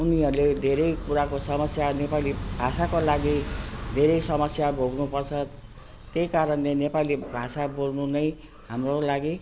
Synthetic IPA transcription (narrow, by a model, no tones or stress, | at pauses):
uniɦʌɾuled̪ʱeɾʌjkuɾakosʌmʌsjanepalibʱasakolaɡid̪ʱeɾʌjsʌmʌsjabʱoɡnupʌrt͡sʰʌ | t̪ejkaɾʌnlenepalibʱasabolnunʌj | hamrolaɡi